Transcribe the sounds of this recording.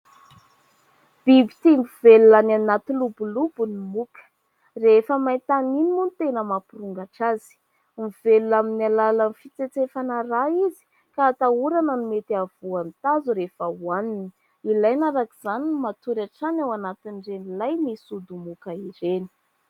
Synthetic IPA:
b̥ibit̪iŋɡuveluananat̪ilubulubunimukə̥ | refəmaj̪t̪aninimunt̪enəmapiruŋɡaʈ͡ʂazi̥ | miveluaminalalanifit͡set͡sefanəraizi̥ | kaːt̪auɾanənumet̪iavuant̪azuɾefəwanini | ilajnaɾakiz̥aninmat̪uɾaʈ͡ʂanawanat̪inɖ͡ʐenilajmisud̪umukəiɾeni̥

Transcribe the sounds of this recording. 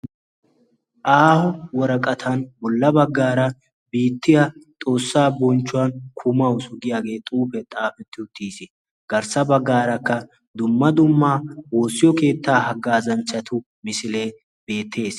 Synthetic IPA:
ʔaːhɔwɔɾɐkʼɐt̪ʰɐnbɔlːɐbɐɡːaːɾɐ | biːt̪ːɪjɐt̪ʼo̞ːsːaːbɔnt͡ʃːʊwɐnkʰʊmɐwsʊɡɪjaːɡe̞ːt̪ʼuːfɛt̪ʼaːfɛt̪ːɪʊt̪ːiːsɪ | ɡ̥ɐɾsɐbɐɡːaːɾɐkːɐ | d̪ʊmːɐd̪ʊmːaːwo̞ːsːɪjɔke̞ːt̪ːaːhɐɡːaːzɐnt͡ʃːɐt̪ʰʊ | mɪsɪle̞ː | be̞ːt̪ʰːe̞ːs

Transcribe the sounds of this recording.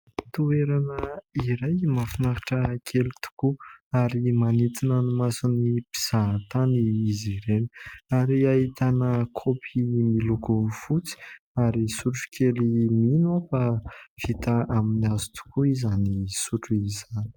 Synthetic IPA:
t̪ueɾanəiɾajmafinakḁʈ͡ʂəkʰelit̪u̥kuaɾimanit̪inanumasunipi̥z̥at̪aniːziɾeni̥aɾiait̪anəkʰopʰimilukufut͡si̥ | aɾisuʈ͡ʂu̥kʰeliminuafav̥it̪aʔaminiazu̥t̪u̥kuizanisuʈ͡ʂuizani̥

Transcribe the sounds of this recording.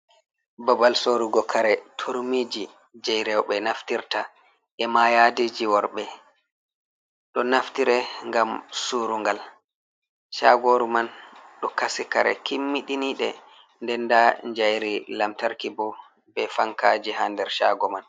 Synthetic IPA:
bɔbalsoɾuɡɔkʰaɾɛtʰoɾmid͡ʒi | d͡ʒɛjɾɛwɓɛnaftiɾta | ɛmajadid͡ʒiwɔɾɓɛ | ɗɔnaftiɾɛŋɡamsuɾuŋɡal | ʃa̰ɡoɾumanɗɔkasika̰ɾɛ̰kimːiɗiniɗɛ | ndɛndaɲd͡ʒajɾilamtaɾkibɔ | bɛfaŋkad͡ʒiɦandɛɾʃa̰ɡɔman

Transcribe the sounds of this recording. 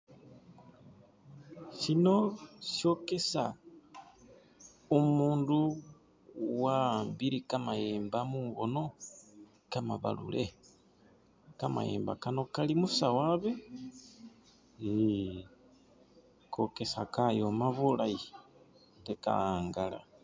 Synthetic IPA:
ʃinoʃjo̞kesa | omuːndu | wambiɾikamajeːmbamuβono̞ | kamaβa̰lṵlʔe | kama̰jḛːmba̰kano̞kalimusawaβe | ni | kʰokesakajomaβulaji | teka̰aːŋɡala̰

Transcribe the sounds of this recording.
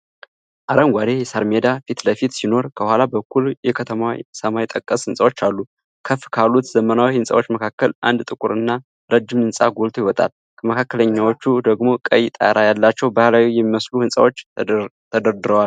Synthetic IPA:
ʔaɾəŋɡʷaɾe̞jɛsaɾmed̪afit̪ləfit̪sino̞ɾkʰəhʷalabəkʰːuljɛkʰət̪ʰəmawḭsəmajit̪ʼəkʼːəshɨnsʼawo̞t͡ʃːalːu | kʰəfːkʰalːut̪zəmənawihɨnsʼa̰wo̞t͡ʃːməkʰakːəlʔa̰nd̪t̪ʼɨkʼuɾɨnːa | ɾəd͡ʒːɪmɨnsʼa̰ɡolt̪ʰojiwɔt̪ʼa̰l | kʰəməkʰakːələɲːawo̞t͡ʃːud̪əɡmo̞kʼəjt̪ʼa̰ɾʔajalːat͡ʃːɛwbahlawijɛmːiməsluhɨnsʼa̰wo̞t͡ʃːt̪ʰəd̪əɾd̪ɨɾəwal

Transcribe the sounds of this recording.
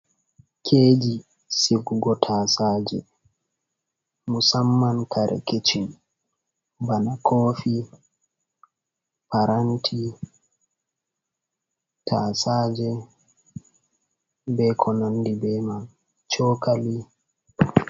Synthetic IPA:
kʰeːd͡ʒi | siɡuɡɔtʰaːsaːd͡ʒɛ̰ | musamːankaɾɛ̰ket͡ʃin | banakʰoːfi | paɾantʰi | tʰaːsaːd͡ʒɛ | bɛkʰɔnandibɛma | t͡ʃɔːkali

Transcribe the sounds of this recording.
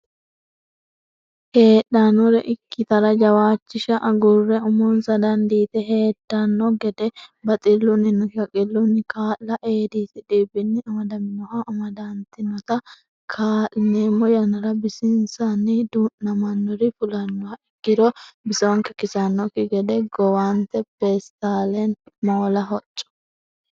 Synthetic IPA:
he̞ːᶑɐnɔɾɛʔɪkːɪt̪ɐɾɐd͡ʒɐwaːt͡ʃːɪʃɐʔɐɡʊrːɛʊmonsɐd̪ɐnd̪iːt̪ɛhe̞ːtːɐnːɔɡɛd̪ɛbɐt̪ʼɪlːʊnɪnɔʃɐkʼɪlːʊnːɪkaːlːɐʔeːd̪iːt̪ɪd̪eːbɪnːɪɐmɐd̪ɐmɪnɔhɐʔːmɐd̪ant̪ɪnɔt̪ɐ | kʰaːʔneːmːɔjɐnɐɾɐbɪsɪnsɐnːɪd̪uːnːɐmɐnːɔɾɪfʊlɐnːɔhɐɪɡːɪd̪ɔbɪsɔŋkɛkɪsɐnːɔkɪɡɛd̪ɛɡɔwant̪ɛbeːst̪aːlɛnmoːlɐɦɔt͡ʃʼːɔ̥

